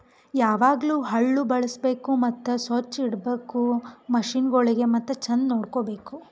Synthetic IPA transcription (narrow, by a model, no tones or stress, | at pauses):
jaːʋaːɡluːɦɐɭːubɐɭɐsbe̞ːkumɐt̪ːusot͡ʃːiɽbeːkumɐʃiːnɡoɭiɡe̞mɐt̪ːɐt͡ʃɐnnoːɽkobe̞ːku